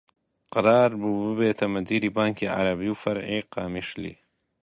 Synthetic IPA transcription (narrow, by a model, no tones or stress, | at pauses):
qɨɾɑːɾbuːbɨbeːt̪ʰɐmɐd̪iːɾiːbaːŋkʰiːʕa̰ɾɐbiːwfɐɾʕiːqɑːmiʃlḭː